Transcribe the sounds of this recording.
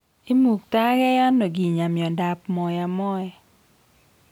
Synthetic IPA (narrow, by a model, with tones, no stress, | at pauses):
i˦mu˨k̚ta˦ɡɛ˦ja˦nːo˨ɡi˨ɲa˨mjɔ˨da˨pmɔ˨ja˨mɔ˦ɛ˦˨